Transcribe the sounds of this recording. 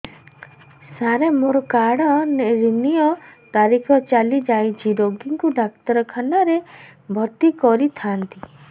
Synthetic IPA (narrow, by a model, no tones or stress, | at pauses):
saɾemoɾɔkaɽɔneɾinijɔt̪aɾikʰɔt͡ʃalid͡ʒajt͡ʃʰiɾoɡiŋkuɖakt̪ɔɾɔkʰanaɾebʱɔɾt̪ikɔɾit̪ʰant̪i